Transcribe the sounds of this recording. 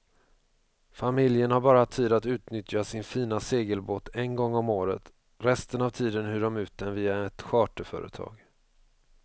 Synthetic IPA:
famɪljənhaɾbɑːɾat̪ʰːiːd̪at̪ʉ̟ːt̪nʏt̪jasɪnfiːnaseːɡəlboːt̪ɛnɡɔŋːɔmoːɾət̪ | ɾɛst̪ənavt̪ʰiːd̪ənɦʉːɖɔmʉ̟ːt̪̚d̪ɛnviːaɛt̪ɧɑːʈəfœ̰ːɾʔə̰t̪ʰɑ̰ːɡ

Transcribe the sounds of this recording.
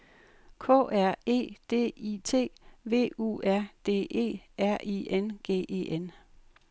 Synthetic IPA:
kʰɔ̰̽ːʔæɐ̰e̝̰ːd̥e̝̰ːit͡sʰe̝̰ːʋe̝̰ːṵːæɐ̰d̥e̝̰ːʔe̝̰ːæɐ̰ʔiʔenɡ̥e̝̰ːʔe̝̰ʔen

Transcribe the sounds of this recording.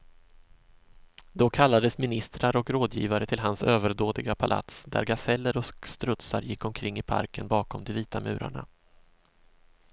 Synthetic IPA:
d̪ɔkʰalːad̪əsmɪnɪst̪ɾaɾɔkɾoːd̪jḭːvaɾət̪ʰɪlɦansøːvəɾdoːd̪ɪɡapʰala̰t̪sd̪æ̰ɾɡasɛlːəɾɔst̪ɾɵt̪saɾjɪkːɔmkʰɾɪŋːɪpʰa̰ɾkənbɑːkɔmd̪ɛviːt̪amʉ̟ːɾa̰ɳa̰

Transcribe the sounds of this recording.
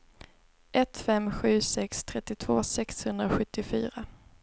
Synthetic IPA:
ʔɛt̪fɛmːɧʉ̟ːsɛkst̪ʰɾɛt̪ːɪt̪ʰv̥oːsɛkshɵnd̪ɾaɧɵt̪ːɪfy̰ːɾa

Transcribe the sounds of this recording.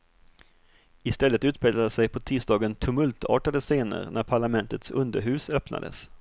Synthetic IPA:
ɪst̪ɛlːət̪ʉ̟ːt̪̚peːɡ̪lad̪əsɛjpʰɔt̪ʰiːsd̪ɑːɡənt̪ʰɵmɵlt̪ʰɑ̰ːʈad̪əseːnə̰ɾnʔæɾpʰaɭamɛnt̪ət̪sɵnd̪əɾɦʉ̟ːsœpna̰d̪ə̰s

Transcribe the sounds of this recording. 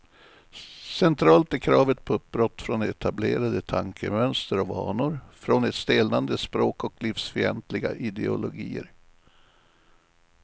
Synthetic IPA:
sɛnt̪ʰɾɑːlt̪æɾkʰɾɑːvət̪̚pʰɔɵp̚bɾɔt̪ːfɾɔnɛt̪ʰableːɾad̪ət̪ʰaŋkʰəmœnst̪əɾɔvɑ̰ːɳʊɾfɾɔnɛt̪st̪eːlnand̪əspɾoːkɔklifsfœɾɛ̰nt̪lɪɡa̰ʔɪd̪ɛʊ̰lʊɡḭːə̰ɾ

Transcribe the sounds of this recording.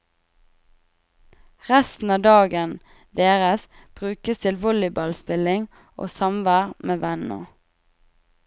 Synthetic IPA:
ʁæst̪n̩ɑːd̪ɑːɡən | d̪eːʁəsb̥ʁʉːkəst̪ʰɪlʋɔlɪbɑlspɪlɪŋ | ʔo̰ːsɑmʋæːʁmʔeːʋænə̰

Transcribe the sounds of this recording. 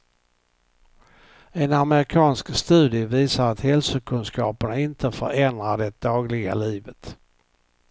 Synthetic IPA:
ɛnaməɾɪkʰɑːnskst̪ʉ̟ːd̪ɪəviːsaɾat̪hɛlsʊkʰɵnskɑːpəɳaɪnt̪ʰəfœɾɛnd̪ɾaɖɛd̪ɑːɡlɪɡa̰liːvət̪

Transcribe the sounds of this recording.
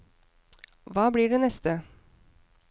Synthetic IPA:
ʋɑːbliːɖeːnɛst̪ə

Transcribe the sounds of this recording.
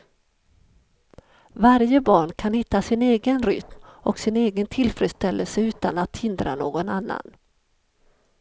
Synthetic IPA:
vaɾjəbɑːɳkʰanhɪt̪ːasɪneːɡənɾʏ̰t̪mɔksɪneːɡənt̪ʰɪlfɾɛd̪st̪ɛlːəlsəʉ̟ːt̪anat̪hɪnd̪ɾa̰noːɡɔnanːa̰n

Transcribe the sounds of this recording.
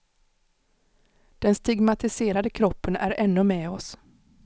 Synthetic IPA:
d̪̥ɛnst̪ɪɡmat̪ɪseːɾad̪əkʰɾɔpːənæɾɛnːɵmɛːɔs

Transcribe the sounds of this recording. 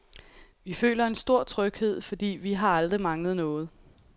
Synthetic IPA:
ʋifø̰ːlɐe̝nsd̥o̝ɐ̰t͡sʰʁœɡ̥he̝ð̞̰ˠfɒ̽d̥ḭːʋiɦɑ̈ɑld̥ʁimɑ̈ŋləð̩ˠnɔ̽ːð̞̩ˠ

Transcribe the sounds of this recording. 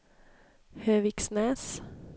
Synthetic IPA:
høːʋɪːksneːs

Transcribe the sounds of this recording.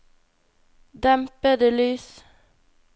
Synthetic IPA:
d̪æmpəd̪əlyːs

